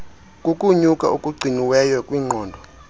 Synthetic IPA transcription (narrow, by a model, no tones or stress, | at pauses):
kʼukʼuɲukʼa̰ʔukʼuɡ͡ǀʱiniwɛjɔkʼwiːŋ͡ǃʱɔːndʱɔ